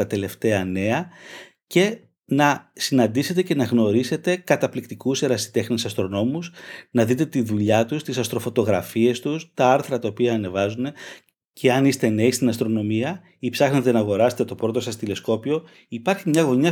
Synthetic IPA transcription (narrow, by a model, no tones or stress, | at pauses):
ɐt̪e̞le̞ft̪e̞ɐne̞ɐ | ce̞ | nɐsinɐnd̪ise̞t̪ece̞nɐɣno̞ɾise̞t̪e̞kɐt̪ɐplikt̪ikuseɾɐsi̥t̪e̞xnesɐst̪ɾo̞no̞musnɐðit̪e̞t̪iðuʎɐt̪ust̪isɐst̪ɾo̞fo̞t̪o̞ɣɾɐfie̞st̪ust̪ɐɐɾθɾɐt̪ɐopiɐːne̞vɐzune̞ | ce̞ɐnist̪e̞ne̞ist̪inɐst̪ɾo̞no̞miɐ | ipsɐxnet̪e̞nɐɣo̞ɾɐse̞̥t̪e̞t̪o̞pɾo̞t̪o̞sɐst̪ile̞sko̞pio̞ | ipɐɾçimɲɐɣo̞ɲɐ